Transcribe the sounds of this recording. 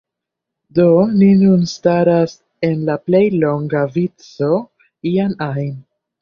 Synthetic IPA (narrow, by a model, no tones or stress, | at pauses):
do̞ninunstaɾas | e̞nlaple̞jlo̞ŋɡavit͡so̞ | ianajn